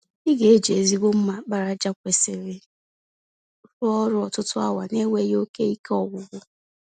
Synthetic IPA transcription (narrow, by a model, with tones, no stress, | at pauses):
i˦ɡe˨e˦d͡ʒe˨e˨zi˦ɡʷo˦m̩˦ma˨k͡pa˨ɾa˨d͡ʒa˦kʷe˨sɪ˨ɾɪ˨ | ɾʊ˦ɔ˦ɾʊ˦ɔ˨tʊ˦tʊ˦a̰˦wa˨ne˦wʷe˦jo˦ke˦i˦ke˦ɔ˦wʷʊ˨ɡʷʊ˦